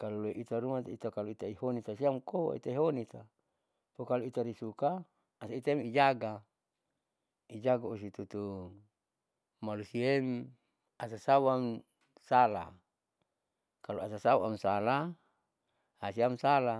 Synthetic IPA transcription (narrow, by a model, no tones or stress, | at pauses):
kaloloeʔit̪aɾumat̪it̪akaloit̪aihonit̪asiamkowa̰ḭt̪aiɦonit̪a | fokaloit̪aɾisukaː | sait̪aemid͡ʒaɡa | id͡ʒaɡaosit̪ut̪u | malusiem | asasawaŋ | sala̰ | kaloasasawa̰msala | hasiamsala